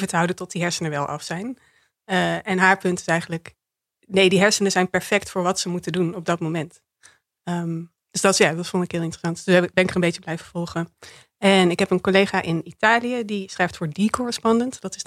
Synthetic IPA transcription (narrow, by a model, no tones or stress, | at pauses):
vətəɦʌwdəntɔt̚diɦɛɹsənəʋɛlˠʔɑ̰fsɛjn | əɛnɦaːɹpɵntɪ̥sɛjχənlək | nejdiɦɛɹsənəzɛjnpɛɹfɛktfʊːɹʋɑtsəmutədunɔb̚dɑt̚momɛnt | əm | d̥øsdɑtjaːdɑtfondɪkɦɪːlˠɪntərəsɑntd̥øsɛbɛnɪkərə̃mbejt͡ʃəblɛjvəv̥ɔlˠχə | ɛnɪkɦɛpənkolejχaːʔɪnitaːlijədisχrɛjftfʊːɹdikʊɹəspɑndəntdɑtɪs